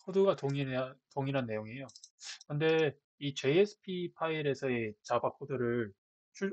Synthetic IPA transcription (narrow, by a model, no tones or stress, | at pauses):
kʰodɯɡatoŋitoŋiɾɦanːe̞joŋejokɯnde̞ | it͡ɕe̞jesʰɯ̥pʰipʰaiɾe̞sʰʌet͡ɕabakʰodɯɾɯɭɭ | t͡ɕʰu